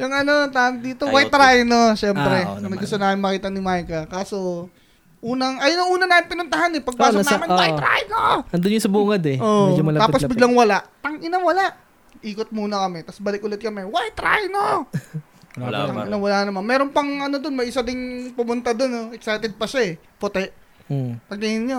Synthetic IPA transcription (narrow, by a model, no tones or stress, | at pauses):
jʊŋʔɐno̞t̪and̪iːt̪owajt̪ɾajnoʃɛmpɾɛɐnɐɡʊst̪onaːmɪnmɐkiːt̪ɐnɪmajkɐkaːso | ʔuːnɐŋʔɐjonɐŋʔuːnɐnaːmɪnpɪnʊnt̪ɐɦanɛpɐɡ̚paːsonmɪnwaɾa̰jnoɐnd̪ʊnjʊsɐbuːŋɐd̪ɛoɛd͡ʒmɐlɐaːpobɪɡɡlaŋwɐlaʔt̪ɐŋʔɪnɐwɐlaʔ | ʔiːkot̪̚muːnɐkɐmɛt̪ɐsbɐlɪk̚ʊlɛt̪̚kɐmɛwajt̪ɾa̰jno | laʔɪnɐwɐlaʔnːɐmanmɛːɾonpɐŋɐnod̪onmɐjɪsad̪ɪŋpʊmʊnt̪ad̪onoʔɛksajt̪ɛd̪̚pɐʃaɛ | pot̪ɛʔ | pɐɡ̚t̪ɪŋɪnɲo